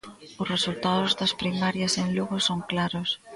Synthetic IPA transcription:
ʊsresult̪aðʊzd̪ɐspɾimaɾjɐseŋluɣʊsoŋklaɾʊs

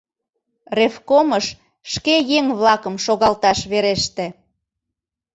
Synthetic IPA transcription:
refkoməʃ | ʃkejeŋβlɑkəmʃoɣɑlt̪ɑʃβeɾeʃt̪ĕ

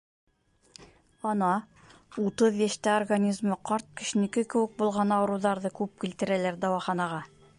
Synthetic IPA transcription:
ɒnɑ | ut̪ɤðjæʃt̪æorɡanʲizmɤqɑɾt̪̚kɘ̆ʃɘ̆nɘ̆kɘkɘ̆wɘ̆k̚bulˠʁɑnɑwɤ̆ɾuwðɑɾðɤkʉp̚kilt̪ɘ̆ɾælæɾd̪ɑwɑχɑnɑʁɑ

